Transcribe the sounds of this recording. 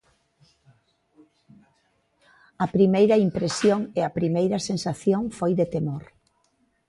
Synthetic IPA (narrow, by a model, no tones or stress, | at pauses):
ɐpɾimejɾɐimpɾesjoŋeɐpɾimejɾɐsensaθjoŋfojðet̪emoɾ